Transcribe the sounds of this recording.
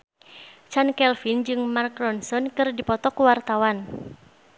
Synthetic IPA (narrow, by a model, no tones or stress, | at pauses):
t͡ʃankɛlfind͡ʒɨŋmarkɾɔnsɔnkɨrdipɔt̪ɔkuwart̪awan